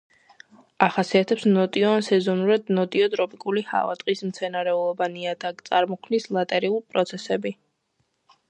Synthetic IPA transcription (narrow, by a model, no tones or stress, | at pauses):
aχasiat̪ʰɛpsnɔt̪ʼiɔansɛzɔnuɾad̪nɔt̪ʼiɔt̪ʼɾɔpʼikʼuliha̰va̰t̪ʼqʼismt̪sʰɛnaɾɛulˠɔbaniad̪at̪sʼaɾmɔkʰmnislˠat̪ʼɛɾiulˠpʼɾɔt̪sʰɛsɛbi